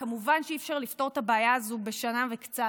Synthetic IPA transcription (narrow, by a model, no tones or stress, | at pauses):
kamuvanʃeifʃaʁlift̪o̞ʁtabaːjaːzube̞ʃanavekt͡sa